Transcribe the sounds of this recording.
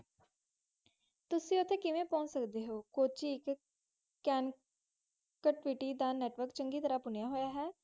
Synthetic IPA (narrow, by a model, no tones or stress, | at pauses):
t̪ʊsĩːʊt̪ʰːeːkɪʋẽːpɔ̃ːnsəkd̪eːɦoːkoːt͡ʃiːɪk | kɛːn | kəʈʋiːʈiːd̪aːnɛːʈʋəɾkt͡ʃəŋɡiːt̪əɾaːpʊnjaːɦoːjaːɦɛː